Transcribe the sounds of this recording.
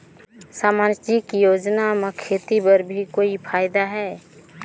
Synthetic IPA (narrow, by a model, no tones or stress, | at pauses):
saːmaːnt͡ʃikjoːd͡ʒnamekʰeːt̪ipəɾbʱikoːipʰaːɪd̪aɦɛː